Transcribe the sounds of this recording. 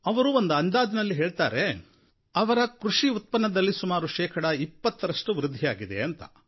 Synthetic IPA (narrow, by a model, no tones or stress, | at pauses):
ɐʋɐɾuond̪uɐnd̪aːd̪nɐlːiɦeːɭt̪aːɾe̞ | ɐʋɐɾɐkɾuʂiut̪̚pɐnːɐd̪ɐlːisumaːɾuʃɛːkʰɐɽɐipːɐt̪ːɐɾɐʂʈuʋɾɪd̪ʱːijaːɡid̪e̞̰ɐnt̪ɐ̰